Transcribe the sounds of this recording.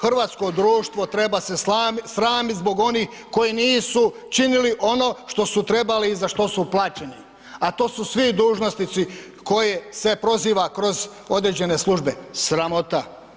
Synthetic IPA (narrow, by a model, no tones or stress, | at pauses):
xr̩ʋaːt̪sko̞d̪ɾuːʃt̪ʋo̞t̪ɾebaseasɾaːmit̪zbo̞ɡo̞nix | ko̞jiniːsu | t͡ʃiniliʔo̞no̞ʃt̪o̞sut̪ɾe̞baliːzaʃt̪o̞suplaːt͡ɕenḭ | at̪o̞ːsusʋid̪uːʒno̞st̪it̪si | ko̞jese̞pɾo̞ziːʋakɾo̞zo̞d̪ɾed͡ʑe̞ne̞slˠuʒbesɾamo̞t̪a